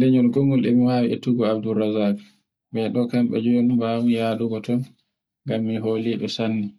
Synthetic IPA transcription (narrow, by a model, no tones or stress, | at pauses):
lɛɲɔlɡoŋɡulɛmiwaːwiɛtuɡɔab̚dulɾazak | bɛɗɔkamɓɛ̰d͡ʒɔnubawijaːluɡɔtɔn | ŋɡamːiɦoːliɓɛsanːi